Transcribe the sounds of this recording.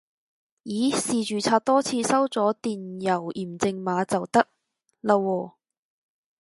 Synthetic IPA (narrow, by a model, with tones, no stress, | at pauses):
jiː˨˥siː˨t͡ʃyː˨t͡sʰaː˧t̚t̪ɔː˥t͡sʰiː˧sɐ˥wt͡sɔː˨˥t̪iː˨njɐ˨˩wiː˨˩mt͡sɪ˧ŋmaː˨˥t͡sɐ˨wt̪ɐ˥k̚ | lɐ˧wɔː˧